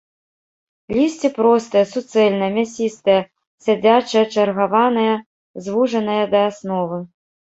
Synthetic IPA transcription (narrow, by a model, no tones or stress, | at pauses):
lʲisʲt͡sʲipɾɔst̪ɨjɐsut̪sɛlʲnɐjɐmʲasʲist̪ɐjɐ | sʲad͡zʲat͡ʂɐjɐt͡ʂɐrɣavanɐjɐ | zvuʐɐnɐjɐd̪ɐːsnɔvɨ